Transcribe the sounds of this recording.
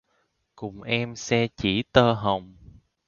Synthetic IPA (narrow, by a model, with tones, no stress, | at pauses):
kʊ˨˩ŋ͡mʔɛ˧msɛ˧t͡ɕi˧˩t̪əː˧ɦə˨˩wŋ͡m